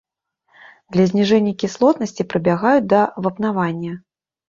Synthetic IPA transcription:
d̪lʲɐzʲnʲiʐɛnʲːɐkʲislˠɔt̪nɐsʲt͡sʲipɾɨbʲaɣajud͡zʲd̪ɐvɐpnavanʲːɐ

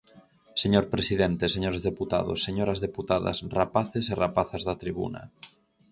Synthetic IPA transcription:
seɲoɾpɾesiðent̪eseɲoɾezðeput̪a̰ðo̰sːeɲoɾazðeput̪aða̰srapaθeserapaθazðat̪ɾiβ̞ṵna̰

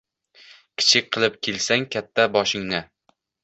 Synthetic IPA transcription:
kʲʰɪ̥t͡ʃʰɪk̚ʲqʰɨlˠɪp̚kʲʰelsaŋkʲʰat̪ʰːabɒʃɪŋnɪ

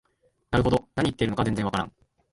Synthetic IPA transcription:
naɾɯ̟ɦo̞d̪o̞naɲ̟it̪ːeiɾɯ̟okad͡zzẽnd͡zẽβakaɾã̰ŋ

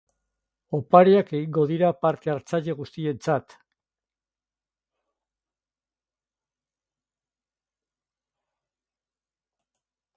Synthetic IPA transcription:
o̞paɾeake̞ɣiŋɡo̞ð̞iɾapaɾt̪eaɾt͡saʎe̞ɣ̞ust̪ie̞nt͡sat̪

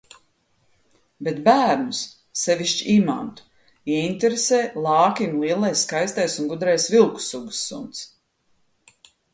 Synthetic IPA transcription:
bet̪bæːɾnus | sɛvʲiʃt͡ʃiʔima̰nt̪u̥ | iɛint̪ʲeɾeseːlˠɑːkʲimlˠiɛlˠajsːkajst̪ajsunɡud̪ɾɛjsvilˠku̥suɡu̥sːṵnt̪s

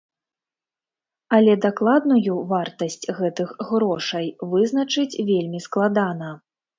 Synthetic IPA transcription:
ɐlʲɛd̪aklˠad̪nujuvart̪ɐsʲt͡sʲɣɛt̪ɨxɣɾɔʂɐjvɨznɐt͡ʂɨt͡sʲvʲelʲmʲisklˠad̪anɐ

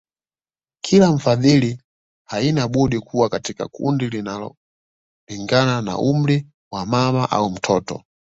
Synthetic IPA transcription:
kʰilaɱ̩faðili | hainaɓɔɗikʰuwakatika̰kṵndilinalɔ̰ | liŋɡanana̰um̩li | wamamaʔa̰um̩tʰɔːtɔ̰

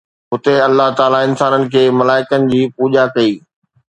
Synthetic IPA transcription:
ɦʊt̪eɐlːaɦt̪aːlaɪnsaːnənɪ̆kʰeːmɐlaːɪkənɪ̆d͡ʑiːpuːʄakɐiː

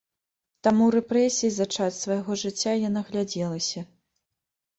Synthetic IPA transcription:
t̪amuɾɛpɾɛsʲijizat͡ʂat͡sʲsvɐjaɣɔʐɨt͡sʲːajanaɣlʲad͡zʲɛlˠɐsʲɐ

